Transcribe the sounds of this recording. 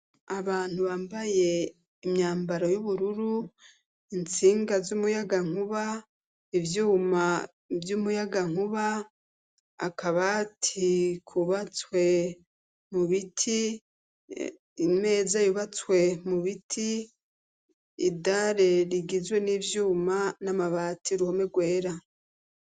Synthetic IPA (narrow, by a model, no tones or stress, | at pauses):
aβaːn̥huβaːmbaje̞ | imɲaːmbaɾojuβuɾuɾu | int͡siːŋɡazumujaɡaŋ̥huβa | ivjuːma | vjumujaɡaŋ̥huβa | akʰaβatʰikʰuβat͡swe̞ | muβitʰi | ime̞ːzajuβat͡swe̞muβitʰi | daɾe̞ɾiɡizwe̞niːvjuːmanamaβatʰiɾuho̞me̞ɡwe̞ːɾa